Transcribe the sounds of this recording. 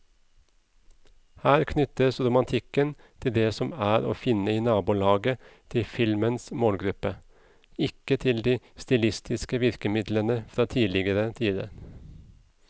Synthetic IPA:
hæːɾkʰnʏt̪əsɾʊmɑnt̪ʰɪkən | t̪ʰɪld̪eːsɔmæːɾo̰ːfɪnəiːnɑːbʊlɑːɡət̪ʰɪfɪlmənsmoːlɡɾʉpə | ɪkət̪ʰɪld̪iːst̪ɪlɪst̪ʰɪskəʋɪɾkəmɪd̪lənəfɾɑːt̪ʰiːlɪɡəɾət̪ʰiːd̪ə̰ɾ

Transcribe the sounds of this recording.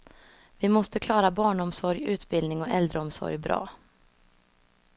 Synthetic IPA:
vɪmɔst̪əkʰlɑːɾabɑːɳɔmsɔɾjʉ̟ːt̪bɪld̪nɪŋɔɛld̪ɾəɔmsɔ̰ɾjbɾɑ̰ː

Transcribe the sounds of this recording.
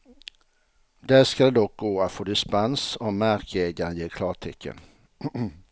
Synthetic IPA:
d̪æːskad̪eːd̪ɔk̚ɡoːafoːd̪ɪspansɔmæɾkʰeːɡənjeːɾkʰlɑːʈ̪ʰɛkʰːə̰n

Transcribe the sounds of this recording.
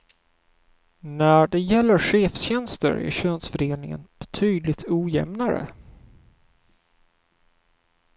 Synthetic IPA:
næɖɛjɛlːəɧeːfsɕɛnst̪ə̰ɾæ̰ɕøːnsfœɾeːnɪŋə̰nb̥ɛt̪ʰyːd̪lɪt̪ʰuːjɛ̰mnaɾə̰

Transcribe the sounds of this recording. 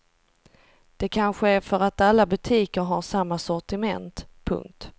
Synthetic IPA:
d̪̥ɛkʰanɧəæɾfœɾat̪alːabɵt̪ʰiːkəɾɦaʂamːasɔɾʈɪmɛ̰nt̪pʰɵ̰ŋk̚t̪

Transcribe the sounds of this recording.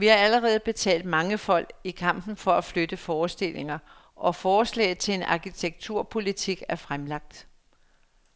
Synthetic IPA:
ʋihɑ̈æləʁɛːð̞̩ˠb̥e̝t͡sʰɛ̰ːld̥mɑ̈ŋəfɒ̽l̰ɡ̥ikʰɑ̈m̰b̥n̩fɒ̽æflød̥əfɒːsd̥e̝l̰e̝ŋɐ | ʔɒ̽fɒːslɛ̰ːɪð̩ˠt͡sʰe̝le̝nʔɑ̈kʰit͡sʰeɡ̥̚t͡sʰuɐpʰo̝lit͡sʰiɡ̥æɐfʁamlɑ̈ɡ̥̚d̥

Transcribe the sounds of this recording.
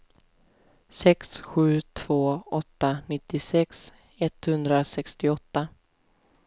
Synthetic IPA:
sɛksɧʉ̟ːt̪ʰv̥oːɔt̪ːanɪt̪ːɪsɛks | ɛt̪hɵnd̪ɾasɛkst̪ɪɔt̪ːa

